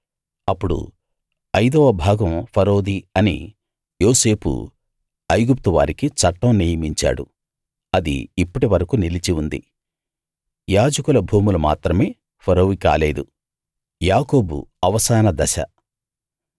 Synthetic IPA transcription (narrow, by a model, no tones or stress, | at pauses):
ɐpːuɽṵ | ɐjd̪ɔːʋɐbʱaːɡɐmpʰɐɾo̞ːd̪iɐnḭ | joːse̞ːpṵ | ɐjɡup̚t̪uʋa̰ːɾikit͡ʃɐʈːɐmniːjɐmiɲt͡ʃa̰ːɽṵ | ɐd̪ḭːpːɐʈiʋɐɾɐkunilit͡ʃiund̪ḭ | jaːd͡ʒɐkulɐbʱuːmuluma̰ːt̪ɾɐme̞ː | pʰɐɾoːʋika̰ːle̞ːd̪u | jaːko̞ːbṵɐʋɐsaːnɐd̪ɐʃɐ̰